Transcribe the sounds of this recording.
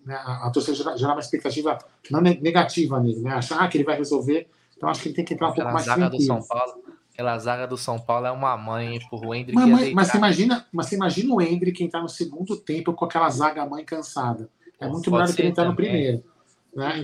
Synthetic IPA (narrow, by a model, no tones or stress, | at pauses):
nɛaɐt̪oɾsedɐʒeɾaʒeɾaumɐespek̚t̪at͡ʃivɐ | nɐ̃w̃neneɡat͡ʃivɐnelɪnɛaʃʊɐakɪelɪvajhezowveɾ | t̪ɐ̃w̃aʃʊ̥kelɪt̪ẽkɪẽnt̪ɾaũpowkʊmajsɾɐ̃d̪ĩwawlʊ | kɛlɐzaɡɐd̪ʊsɐ̃w̃pawlʊɛũmɐmɐ̃j̃pʊɾʊẽd̪ɾmɐmɐ̃j̃mɐseimaʒĩnɐmɐsseimaʒĩnɐʊẽd̪ɾɪkẽj̃t̪aɾnʊseɡũd̪ʊt̪ẽmpʊkõakɛlɐzaɡɐamɐ̃j̃kɐ̃sad̪ɐ | ɛmũj̃t̪ʊmeʎɔɾd̪ʊkeẽt̪aɾnʊpɾimejɾʊ | nɛ